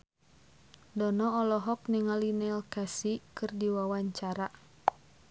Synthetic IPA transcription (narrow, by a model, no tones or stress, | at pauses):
dɔnɔːlɔɦɔkniŋalinɛlkasikɨrdiwawaɲt͡ʃaɾa